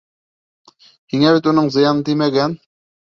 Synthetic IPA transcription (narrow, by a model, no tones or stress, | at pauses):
hiŋæβit̪unɤɴzɤ̆jɑnɤnt̪ijmæɡæn